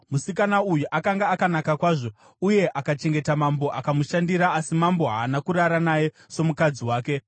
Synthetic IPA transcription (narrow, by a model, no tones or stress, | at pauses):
musikanaujuʔakaŋɡaːkanakakwaːʐo̞ | uje̞ʔakat͡ʃe̞ŋɡe̞tamambo̞ʔakamuʃandiɾaːsimambo̞ɦaːnakuɾaɾanaje̞ | so̞mukad͡ziwaːke̞